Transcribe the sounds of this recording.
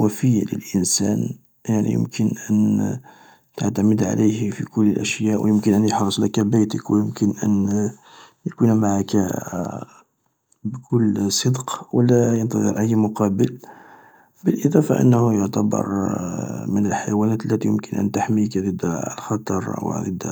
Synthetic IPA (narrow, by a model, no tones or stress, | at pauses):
wæfəjːalə̰lʔənsæ̰n | jaʕnḭjə̰mkʰənʔæn | t̪aʕt̪æməd̪ʕa̰lʔæjhfikʊlːəlʔæʃjæʔw̰jəmkənʔænjəħɾˤəsˤləkæbæjt̪əkwjəmkənʔæ̰n | jəkunmaʕakæ | bkʊlːsˤəd̪qwlæjənt̪ɑd̪ˤə̰ɾʔəjːmʊqɑbəl | bəlʔəd̪ˤɑfɑ̰ʔə̰nːhujʊʕt̪æbə̰ɾˤ | mənəlħajwænæt̪əlːæt̪ijəmkənʔə̰nt̪aħmikd̪əd̪lxɑt̪ˤɑɾ̰ˤwə̰d̪əd̪